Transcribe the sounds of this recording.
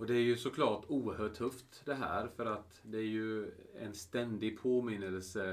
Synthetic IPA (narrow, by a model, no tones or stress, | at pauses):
ɔd̪ɛæɾjɵsɔkʰlɑːʈuːəɾhœːʈʰːɵft̪d̪ɛɦæ̰ːɾfœɾat̪ | d̪ɛæɾjɵɛ̰nst̪ɛnd̪ɪɡ̚pʰoːmɪnːəllsə